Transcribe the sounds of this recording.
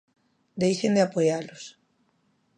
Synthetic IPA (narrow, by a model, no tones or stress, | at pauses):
d̪ejʃend̪eapojalos